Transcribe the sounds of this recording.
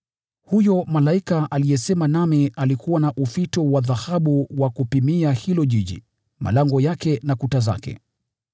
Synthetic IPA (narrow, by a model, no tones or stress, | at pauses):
hujɔmalaikaʔalijɛsɛmanamialikuwanaʔufitɔwaðahaɓuwakupimiahilɔʄiʄḭ | mʔa̰laŋɡɔjakɛnakutaza̰kɛ̰